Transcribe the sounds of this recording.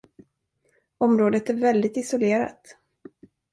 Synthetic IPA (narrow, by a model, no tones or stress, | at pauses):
ɔmɾoːd̪ət̪æɾvɛld̪ɪt̪ɪsɔleːɾa̰t̪